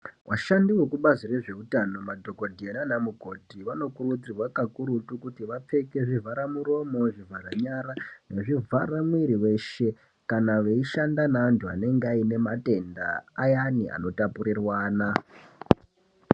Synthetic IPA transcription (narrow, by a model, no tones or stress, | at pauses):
wʔa̰ʃandiwekuɓazire̞ʐe̞utano̞madʱo̞ko̞dʱienanamuko̞tiʋano̞kurud͡zirwakakuɾutukutiʋap͡fe̞ke̞ʐivʱaɾamuɾo̞mo̞ʐivʱaraɲaɾane̞ʐivʱaɾamuiɾiwe̞ʃe̞ | kanaʋeiʃandanaːntuane̞ŋɡeaine̞mate̞nda̰ːjania̰no̞tapuɾirwaːna